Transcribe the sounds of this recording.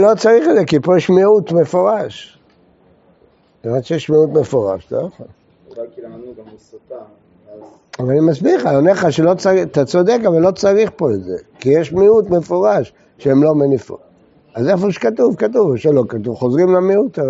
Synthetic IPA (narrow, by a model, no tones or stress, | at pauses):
lot͡saʁiχedzekipojeʃmiut̪mefoʁaʃ | emat̪ʃejeʃmiut̪mefoʁa̰ʃtaχa | avaanimasbiχajoneχaʃelot͡saʁiat̪at͡sod̪ekavalːo̞t͡saʁiχpoetzḛkijeʃmiut̪mefoʁaʃ | ʃemlo̞menifṵ | azefoʃe̥katuvkat̪̬uvʃelokat̪uvχozʁimlamiut̪a